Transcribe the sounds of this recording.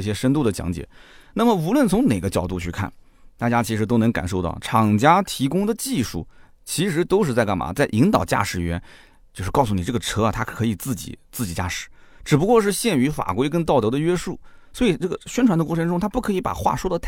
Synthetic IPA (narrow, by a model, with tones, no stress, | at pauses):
ɕjɛ˥ʂə˥nt̪u˥˩d̪ə˩t͡ɕjɑ̰˧˥ŋt͡ɕjɛ̰˨˩˦na˥˩mə˩u˧˥lwə˥˩nt͡sʰʊ˧˥ŋne˨˩ɪɡə˦t͡ɕjɑ˨˩ʊt̪u˥˧t͡ɕʰy˥˧kʰa̰˥˩n | t̪a˥˩t͡ɕja˥t͡ɕʰi˧˥ʂɻ̬o˥ʊnɤ˧˥ŋka̰˨˩nʂo˥˧ʊt̪ɑ˥˩ʊʈ͡ʂʰɑ˨˩ŋt͡ɕja˥t̪ʰi˧˥kʊ˥ŋd̪ə˨t͡ɕi˥˧ʂṵ˥˩ | t͡ɕʰi˧˥ʂɻ̩˧˥t̪o˥ʊʂɻ̩˥˧t͡sa˥˧ɪka˥˩nma̰˨˥t͡sa˥˩ɪʔi˧˥ŋt̪ɑ˨˩ʊt͡ɕja̰˥˩ʂɻ̩˨˩ɥɛ̰˧˥n | t͡ɕjo˥˧ʂɻ̩˥˧ɑ˥˩ʊsu˧˩ni˨˩ʈ͡ʂɤ˥˩ɡə˩ʈ͡ʂʰɤ˥ɐ˨t̪ʰa˥kʰɤ˧˥i˨˩t͡sɹ̩˥˩t͡ɕḭ˨˩˦t͡sɹ̩˥˩t͡ɕi˨˩t͡ɕja̰˥˩ʂɻ̩˨˩˦ | ʈ͡ʂɻ̩˨˩p̬u˧˥kwɔ˥˧ʂ̬ɻ̩˥˧ɕjɛ˥˩ny˧˥fa̰˨˩kwe˥ɪk̬ə˥nt̪ɑ˥˩ʊt̪ɤ˧˥d̪ə˧ɥɛ˥ʂu˥˩swɔ˧˥i˨˩ʈ͡ʂɤ˥˩ɡə˩ɕɥɛ˥nʈ͡ʂʰwa˥nə˧kwʈ͡ʂʰɤ˧˥ŋʈ͡ʂʊ˥ŋt̪ʰa˥pu˥˩kʰɤ˧˥i˧˥pa̰˨˩xwa̰˥˩ʂwɔ˥d̪ə˨t̪ʰ